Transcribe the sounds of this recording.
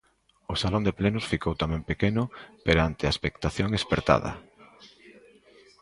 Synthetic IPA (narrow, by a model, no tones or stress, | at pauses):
ʊsalond̪eplenʊsfikowt̪amɛ̃ŋpekenʊpeɾant̪eaespekt̪aθjoŋespeɾt̪a̰ðɐ̰